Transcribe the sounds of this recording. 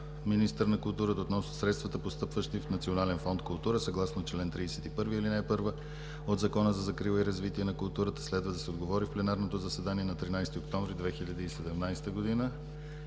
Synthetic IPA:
minist̪əɾnɐkʊlˠt̪uɾət̪əot̪nɔsnosɾɛt̪st̪vɐt̪əpost̪ɤpvəʃt̪ifnɐt̪sionalɛnfɔnt̪kʊlˠt̪uɾəsɐɡlˠasnot͡ʃlɛnt̪ɾid̪ɛsɛt̪ipɤɾviilinajpɤɾvə | od̪zɐkɔnəzɐzɐkɾilˠəiɾɐzvit̪iɛnɐkʊlˠt̪uɾət̪ə̥slɛd̪vəd̪ɐsɛod̪ɡovɔɾifplɛnaɾnot̪ozɐsɛd̪aniɛnɐt̪ɾinajst̪iokt̪ɔɱvɾid̪vɛxiʎʲəd̪iːsɛd̪ɛmnajst̪əɡod̪inə

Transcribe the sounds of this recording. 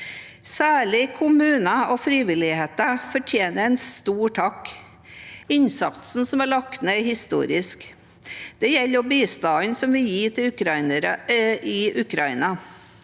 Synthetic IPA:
sæːɭɪkʰʊmʉːnəɔfɾiːʋɪlɪheːt̪əfɔʈʰjeːnəɾɛɪnst̪uːʈʰɑk | ɪnsɑt̪sn̩sɔmæɭɑkt̪nehɪst̪ṵːɾɪsk | d̪̥ɛjɛlːəɔbiːst̪ɑːnsɔmʋɪjiːt̪ʰɪʉɑəɾəɪʔʉkɾɑḭːnɑ

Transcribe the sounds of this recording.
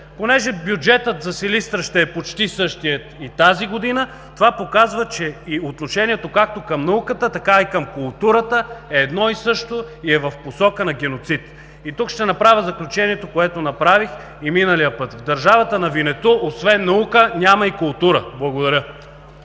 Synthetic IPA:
ponɛʒɛbjud͡ʒɛt̪ət̪zɐsilist̪ɾəʃt̪ɛːpot͡ʃt̪isɤʃt̪iət̪it̪aziɡod̪inə | t̪ovapokazvət͡ʃɛiot̪noʃɛniɛt̪okak̚t̪okɐmnɐukət̪ət̪ɐkaikɐmkʊlˠt̪uɾət̪əɛːd̪nɔisɤʃt̪oiɛvɐfposɔkənɐɡʲɛnot̪sit̪ | it̪ukʃt̪ɛnɐpɾavʲjəzɐklʲut͡ʃɛniɛt̪okoɛt̪onɐpɾavix | iminəlijəpɤt̪vd̪ɐɾʒavɐt̪ənɐvinɛt̪oʔosvɛnːɐukənʲamɐikʊlˠt̪uɾəblˠɐɡod̪ɐɾʲə

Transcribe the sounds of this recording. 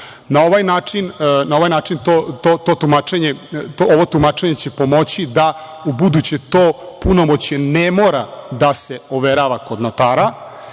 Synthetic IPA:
nao̞ʋajnaːt͡ʂinnao̞ʋajnaːt͡ʂint̪ot̪ot̪oːt̪umat͡ʃeɲet̪ooʋo̞t̪umat͡ʃeɲe̞t͡ɕe̞po̞mo̞t͡ɕid̪a | ubud̪ut͡ɕet̪oːpunomot͡ɕenemoːɾad̪aseoʋeɾaʋako̞d̪not̪aːɾa

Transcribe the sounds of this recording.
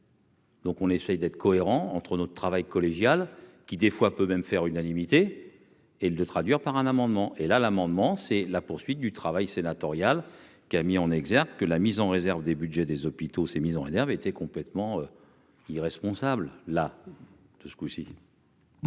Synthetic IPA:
d̪̥ɔ̃kɔ̃nesɛjd̪ɛt̪χəkʰɔeʁɑ̃ɑ̃t̪χənɔt̪ət̪χavajkɔleʒjalkʲid̪efwapømɛmfɛʁynanimit̪e | eld̪ət̪χad̪ɥiʁpaʁɛ̃namɑ̃d̪mɑ̃ʔelalamɑ̃d̪mɑ̃sɛlapuʁsɥit̪̚d̪yt̪χavajsenat̪ɔʁjal | kʲiamiɑ̃nɛɡzɛʁkkəlamizɑ̃ʁezɛʁvd̪ebyd̪ʒɛd̪ezɔpit̪osemizɑ̃ʁezɛʁvet̪ɛkɔ̃plɛt̪mɑ̃ø | iʁɛspɔ̃sablla | d̪̥əskusi

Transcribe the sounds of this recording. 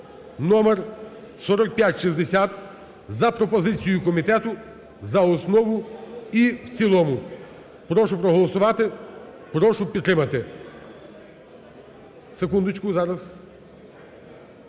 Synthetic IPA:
nɔmer | sɔɾɔk̚pʲjatʲʃizd̪esʲat̪ | zɐpɾɔpɔzɪt͡sʲijʊkɔmʲit̪ɛt̪ʊ | zɐɔsnɔʋʊiwt͡sʲilˠɔmʊ | pɾɔʃʊpɾɔɦɔlˠɔsʊʋɑt̪ɪ | pɾɔʃʊpʲit̪ːɾɪmɐt̪ɪ | sekund̪ʊt͡ʃkʊzɑɾɐz

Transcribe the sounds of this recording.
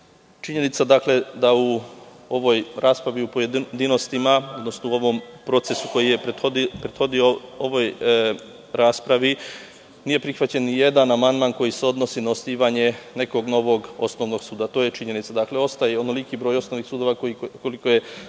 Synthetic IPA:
t͡ʃiɲe̞nit̪sad̪aːkle̞d̪au | o̞ʋo̞jɾʔaːspɾaʋiupojed̪d̪ino̞st̪imao̞d̪no̞snouo̞ʋo̞mpɾo̞t̪se̞suko̞jije̞peod̪pɾed̪̥xo̞d̪iooʋoj | ɾaːspɾaʋi | nije̞pɾixʋat͡ɕe̞nnije̞d̪anamand̪maːnko̞jise̞o̞d̪no̞sinaost̪iːʋaɲe̞ne̞ko̞ɡno̞ʋo̞ɡo̞sno̞ʋno̞ɡsuːd̪at̪oːje̞t͡ʃiɲe̞nit̪sad̪akle̞o̞st̪ajeonolikibɾo̞ːjo̞sno̞ʋnixsuːd̪o̞ʋakkolikoje̞

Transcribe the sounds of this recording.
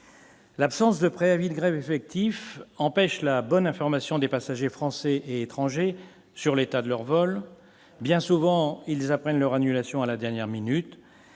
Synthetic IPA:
lapsɑ̃sd̪əpχeavid̪ɡʁɛvefɛk̚t̪ʰifɑ̃pɛʃlabɔnɛ̃fɔʁmasjɔ̃d̪epasaʒefχɑ̃sɛʔeːt̪χɑ̃ʒe | syʁlet̪ad̪əlœʁvɔl | bjɛ̃suvɑ̃ilzapχɛnlœʁanylasjɔ̃alad̪ɛʁnjɛʁminyt̪

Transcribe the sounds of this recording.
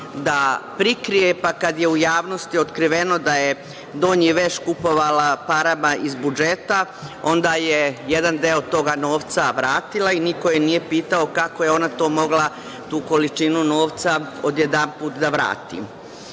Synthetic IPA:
d̪apɾikɾijepakad̪je̞ujaːʋno̞st̪io̞t̪kɾiʋe̞no̞d̪aje̞ | d̪o̞ːɲiʋe̞ʃkupo̞ʋalapaɾamaʔizbud͡ʒet̪a | o̞nd̪aːjeje̞d̪and̪eo̞t̪o̞ɡano̞ːʋt̪saʋɾaːt̪ilˠainikojenije̞piːt̪ao̞kako̞je̞o̞nat̪o̞ːmo̞ɡlˠa | t̪uːko̞lit͡ʃinuno̞ːʋt̪sao̞d̪jed̪anpuːt̪d̪aʋɾa̰ːt̪ḭm

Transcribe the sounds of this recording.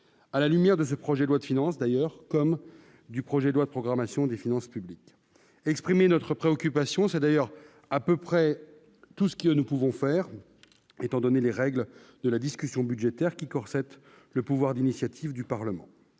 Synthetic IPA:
alalymjɛʁd̪əs̬əpχɔʒɛd̪lwad̪əfinɑ̃sd̪ajœʁkɔm | d̪ypχɔʒɛd̪lwad̪əpχɔɡʁamasjɔ̃d̪efinɑ̃spyblik | ɛkspχimenɔt̪χəpχeɔkʲypasjɔ̃sɛd̪ajœʁ | apøpχɛ | t̪usə̥kənupuvɔ̃fɛʁ | et̪ɑ̃d̪ɔneleʁɛɡld̪əlad̪iskʲysjɔ̃byd̪ʒet̪ɛʁkʲikɔʁsɛt̪ | ləpuvwaʁd̪inisjat̪ʰivd̪ypaʁləmɑ̰̃

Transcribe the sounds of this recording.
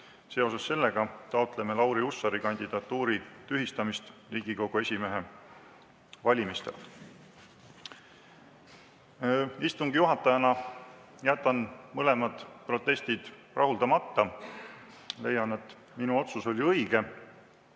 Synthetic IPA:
se̞o̞sesːe̞lːe̞ɡ̥ɑt̪ɑot̪ˑle̞melɑwɾiusːɑɾikɑnʲd̪ʲid̪̥ɑt̪ːuːɾit̪yɦist̪ɑmist̪riːɡ̥iko̞ɡ̥ue̞sʲime̞ɦe̞ | vɑlʲimist̪ḛlt̪ | ist̪uŋɡ̥ijuɦɑt̪ːˑɑjɑnɑ | jæt̪ːˑɑnmɤle̞mɑd̪̥pro̞t̪ːˑe̞st̪id̪̥ | rʔɑɦuld̪ɑmɑt̪ːɑ | le̞̰jːɑne̞t̪ːˑ | minuo̞t̪suso̞lʲiɤiɡ̥e̞

